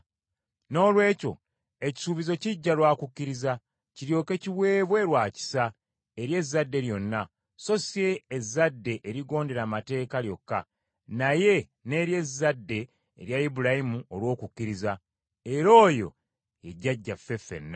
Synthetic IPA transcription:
no̞ːlwe̞ːco̞̰ | e̞ci̥suːβizo̞ciɟːalwaːkukːiɾiza | ciɾjo̞ːke̞ciwe̞ːβwe̞ɾwaːci̥sa | eɾje̞zːadːe̞ɾjo̞nːa | so̞sie̞ːzːadːe̞ʔeɾiɡo̞ːnde̞ɾamate̞ːkaljo̞kːa̰ | naje̞ | ne̞ɾje̞zːadːe̞̰ː | ɾjaibuɾajimuolwo̞ːkucːiɾiza | e̞ɾo̞ːjo̞̰ | eɟːaɟːafe̞fːe̞̰nːa

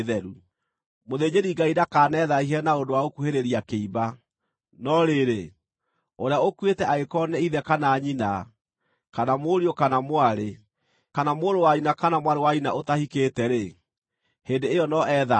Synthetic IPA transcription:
ðɛɾu | moðed͡ʑeɾiɡaidakaːnɛðaiɦɛnaondowaokuheɾeɾiakeiba | nɔɾeɾe | oɾeaokwetɛaekɔnɛiðɛkanaːɲina | kanamoɾiokanamwaɾe | kanamoːdowainakanamwaɾewaina̰ʔotahiketɛɾe | hendeejɔnɔʔɛːða

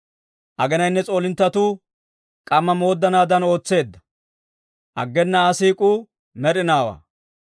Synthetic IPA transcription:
ʔɐɡɛnɐjnːɛt͡sʼo̞ːlɪnt̪ːɐt̪u | kʼɐmːɐmo̞ːd̪ːɐnaːd̪ɐno̞ːt͡sːe̞ːd̪ːɐ̥ | ʔɐ̰ɡːɛnːɐːsiːkʼu | mɛɾɪnaːwa̰ː

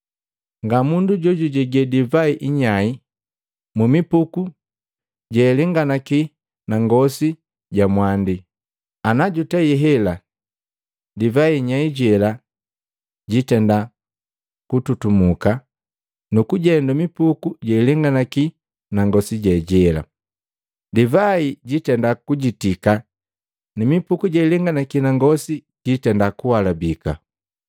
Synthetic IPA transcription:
ŋɡamunduɟɔɟuɟɛɡɛdivaiʔiɲai | mumipuku | ɟɛlɛŋɡanaki | naŋɡɔsi | ɟamwandi | anaɟutɛiɦɛla | divaiɲaiɟɛla | ɟitɛnda | kututumuka | nukuɟɛndumipukuɟɛilɛŋɡanaki | naŋɡɔsiɟɛɟɛla̰ | divaiɟitɛndakuɟitika | nimipukuɟɛilɛŋɡanakinaŋɡɔsi | ɟ̥itɛndakuwalabika̰

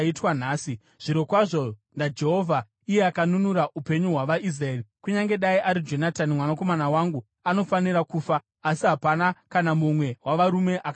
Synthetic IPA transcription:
itwanaːsi | ʐ̥iɾo̞kwaʐo̞ndad͡ʒe̞ɦo̞vʱa | ije̞akanunuɾaʔupe̞ɲuɦwaʋaʔis̬raerikuɲaŋɡe̞ɗaiʔaɾid͡ʒo̞natanimwanako̞manawaŋɡu | ano̞faniɾakuːfaː | siɦapanakanamumwe̞ɦwaʋaɾume̞ʔak

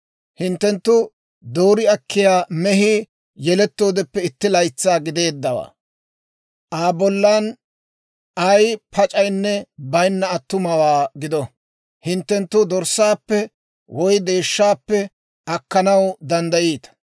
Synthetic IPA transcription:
hɪnt̪ːɛnt̪ːʊ | d̪o̞ːɾɪɐkʰːɪjaːmɛɦɪ | jɛlɛt̪ːo̞ːd̪ɛpːɛɪt̪ːɪlɐjt͡sːaːɡɪd̪e̞ːd̪ːɐwa̰ː | ʔaːbɔlːan | ɐjpʰɐt͡ʃʼɐjnːɛbɐjnːɐːt̪ːʊmɐwaːɡɪd̪ɔ | hɪnt̪ːɛnt̪ːʊd̪ɔɾsaːpːɛ | wʔɔjd̪e̞ːʃːaːpːɛ | ʔɐkːɐnɐwd̪ɐnd̪ɐjiːt̪ɐ̥

